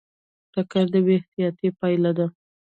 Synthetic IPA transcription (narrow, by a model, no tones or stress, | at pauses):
ʈakaɾd̪əweht̪ijɑt̪epɑjlad̪a